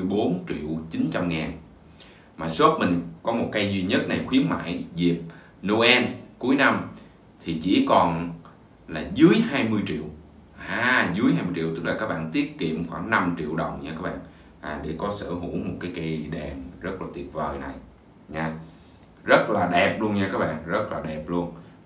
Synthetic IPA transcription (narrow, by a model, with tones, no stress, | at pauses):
ɨ˨˩jɓo˨˦nt͡ɕḭ˧˨əwt͡ɕi˨˦nt͡ɕa˧mŋaː˨˩n | maː˨˩swə˦˥t̚mï˨˩ŋ̟kɔ˨˦mo˨˩t̚ka˧jzwi˧ɲə˦˥t̚na˨˩jxwi˨˦ənma̰ː˧˥˨jzi˨˩p̚ | no˧ʔɛ˧nku˨˦əjna˧m | t̪ʰi˨˩t͡ɕḭ˧˩˥kɔ˨˩n | laː˨˩zɨ˨˦əjhaː˧jmɨ˧əjt͡ɕḭ˧˨əw | ʔaː˧zɨ˨˦əjhaː˧jmɨ˧jt͡ɕḭ˧˨wt̪ɨ˦˥k̚laː˨˩kaː˦˥k̚ɓa̰ː˧˨nt̪i˦˥ət̚kḭ˧˨əmxwaː˧˩ŋna˧mt͡ɕḭ˧˨əwɗə˨˩wŋ͡mɲaː˧kaː˦˥k̚ɓa̰ː˧˨n | ʔaː˨˩ɗḛ˧˩kɔ˨˦sə̰ː˧˩ɦṵ˧˩˥mo˨˩t̚kaː˨˦jka˧jɗɛ˨˩mzə˦˥t̚laː˨˩t̪i˨˩ət̚vəː˨˩jna˨˩j | ɲaː˧ | zə˦˥t̚laː˨˩ɗɛ˨˩p̚lu˧ənɲaː˧kaː˦˥k̚ɓa̰ː˧˨ŋzə˦˥t̚laː˨˩ɗɛ˨˩p̚lu˧ən